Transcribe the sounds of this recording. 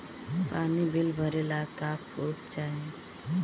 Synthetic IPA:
panibilbʱəɾelakapoɾkt͡ʃaɦe

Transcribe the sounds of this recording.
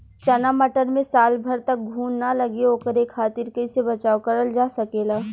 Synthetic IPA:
t͡ʃɐnamɐʈəɾmẽsaːlbʱɐɾt̪ɐk̚ɡʱuːnːalɐɡeoːkəɾeːkʰːaːt̪ɪɾkəisebɐt͡ʃaːokɐɾəld͡ʒaːsɐkeːlaː

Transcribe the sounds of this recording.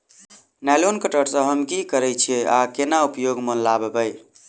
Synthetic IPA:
nalonkəʈəɾsə̃ɦəmkikəɾɛjt͡ʃʰieakenaupjoɡmənlabebəj

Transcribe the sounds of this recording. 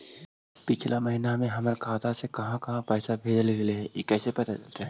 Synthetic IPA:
pɪt͡ʃʰlamɐɦinamẽɦɐməɾkʰaːt̪asekɐɦãkɐɦãpɛːsabʱeːd͡ʒəlɡɐleɦɛjekɛːsepɐt̪at͡ʃɐlt̪aɦɛ

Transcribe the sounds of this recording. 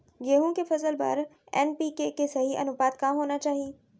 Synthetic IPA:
ɡeɦũkefɐzəlba̰ːɾ | ɛ̰ːnpikekesɐɦiʔɐ̰nʊpaːt̪kãːɦoːnat͡ɕaːɦi

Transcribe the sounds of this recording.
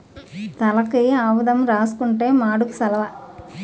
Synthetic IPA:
t̪ɐlɐkijaːʋud̪ɐmɾaːsu̥kuɳʈe̞ːmaːɽuku̥sɐlɐʋɐ

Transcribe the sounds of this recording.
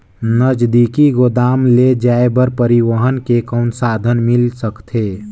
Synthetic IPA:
nəd͡ʒd̪ikiɡod̪aːmled͡ʒaːebəɾpəɾiwəɦənkekəʊnsaːd̪ʱənmɪlsəkt̪ʰeː

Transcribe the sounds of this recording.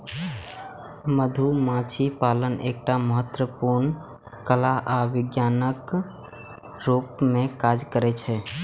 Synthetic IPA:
məd̪ʱumãt͡ʃʰipaːləneːk̚ʈaməɦət̪wəpuɾn | kəlaʔaʋɪɡjanək | ɾupmẽkaːd͡ʒkəɾɛt͡ʃʰɛ

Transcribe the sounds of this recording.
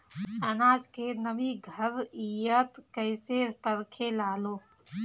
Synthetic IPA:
ənaːd͡ʒkenəbiɡʱəɾijət̪kəɪsepəɾkʰelaːloː

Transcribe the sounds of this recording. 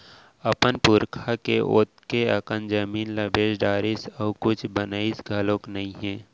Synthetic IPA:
əpənpʊɾkʰakeʔo̰ːt̪keəkənd͡ʒəmiːnləbʱeːʃɖaːɾisɔːkʊt͡ʃʰbənaːisɡʱɐlõːknəɦĩɦɛ̃ː

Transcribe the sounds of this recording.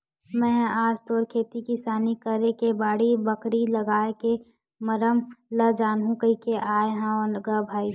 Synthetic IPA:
mɛ̃ːaːd͡ʒt̪ɔːɾkʰeːt̪ikisaːnikəɾekebaːɽibəkɾilɐɡaːeke | məɾəmləd͡ʒaːnɦũkɐikeʔaːeɦãoɡəbʱaːi

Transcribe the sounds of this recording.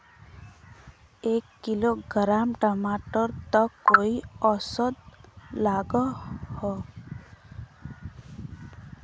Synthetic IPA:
ekːiloɡəɾamʈɔmaʈɔɾt̪ɔkoiɔsɔd̪̚laɡɔhɔ

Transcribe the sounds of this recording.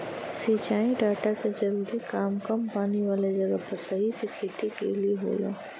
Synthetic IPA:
siːt͡ʃaːĩɖaːʈakezɐɾuːɾikaːmkɐmpaːniʋaːled͡ʒɐɡəpɐɾsɐɦisɪkʰeːt̪ikḛlieɦo̰ːlo̰ː

